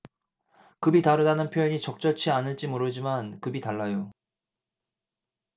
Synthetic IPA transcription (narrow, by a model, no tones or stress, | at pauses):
kɯbitaɾɯdanɯnpʰjojʌɲit͡ɕʌk̚t͡ɕ͈ʌt͡ɕʰianɯɭt͡ɕ͈imoɾɯd͡ʑimankɯbitaɭːajo